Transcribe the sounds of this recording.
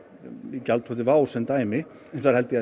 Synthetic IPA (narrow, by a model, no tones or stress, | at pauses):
icalt̪ʰɔt̪ɪvaːwsɛnt̪aːjmɪ | ɛnsθaɾhɛlt̪ɪa